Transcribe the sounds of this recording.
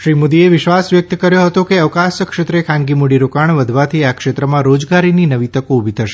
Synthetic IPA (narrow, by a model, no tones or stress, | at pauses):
ʃɾimod̪ieʋɪʃʋasʋjək̚t̪əkəɾjoɦət̪okeəʋkasəkʃet̪ɾekʰãnɡimuɽiɾokaɳʋəd̪ʱʋat̪ʰiakʃet̪ɾəmãɾod͡ʒɡaɾininəʋit̪əkoubʱit̪ʰəʃe̥